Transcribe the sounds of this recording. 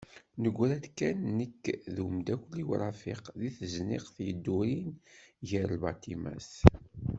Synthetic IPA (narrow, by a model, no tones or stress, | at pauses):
nəɡʷːɾæd̪kːænːəkːðumd̪ækʷlːiwɾˤɑfiqðiθəznḭqθjəd̪ːuɾinʝəɾlbɑ̰t̪imæ̰s